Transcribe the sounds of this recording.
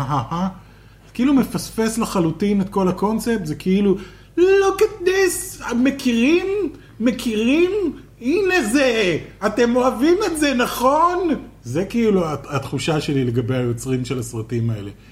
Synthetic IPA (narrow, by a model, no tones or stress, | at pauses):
aɦaha | kiilume̞fasfe̞slaχalutinet̪̚ko̞lhako̞nt͡sep̚t̪zekʰeilu | loket̪nesamekʰiʁimː | ekʰiʁim | inezeate̞mo̞avimelze̞naχo̞nzekiiluaat̪χuʃaʃe̞lile̞ɡabe̞jajo̞t͡sʁimʃe̞lasʁatimae̞̰le̞